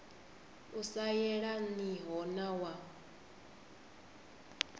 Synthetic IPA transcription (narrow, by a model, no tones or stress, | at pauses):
usajɛɺaniɦɔnawa